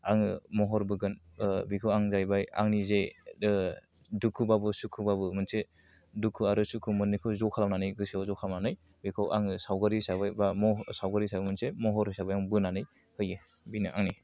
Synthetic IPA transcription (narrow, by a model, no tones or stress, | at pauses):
aŋɯmɔɦɔɾbɯɡɯn | bikʰawaŋzajbaja̰ŋnize | dukʰubabɯsukʰubabɯmɯnse | dukʰuaɾɯsukʰumɯnːikʰɯwzɔkʰalamnanɯjɡɯsiazɔkʰalawnanɯj | bikʰawʔa̰ŋɯsawɡaɾisabajbamɔsawɡaɾisabɯmɯnsemɔɦɔɾhɯjsabɯjaŋbɯnanɯj | hɯje | binɯʔaŋni